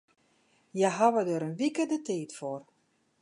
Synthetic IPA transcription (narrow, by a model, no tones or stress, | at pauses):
jɛɦaʋədəɾənʋikədətiːtfor